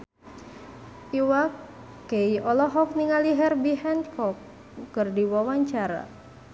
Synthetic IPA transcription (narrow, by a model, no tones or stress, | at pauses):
ʔiwakː | ejɔlɔɦɔk̚niŋaliɦɛrbiɦɛnd̪kʰɔkː | ərdiwawaɲt͡ʃaɾa̰